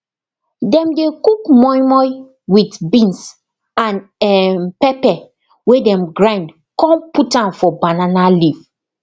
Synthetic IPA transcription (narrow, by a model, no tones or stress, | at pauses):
dɛ̃mdekukmɔjmɔj | witbĩns | ãnɛmpɛpɛ | wedɛ̃mɡɹãɪ̃nd | kɔ̃mputãnfɔbananaliv